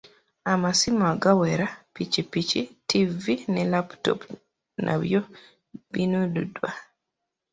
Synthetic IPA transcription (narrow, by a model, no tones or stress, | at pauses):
amasimaɡawɛɾapit͡ʃipit͡ʃitʰivinɛlaptɔ̰p | nʔa̰βjɔ | binududwa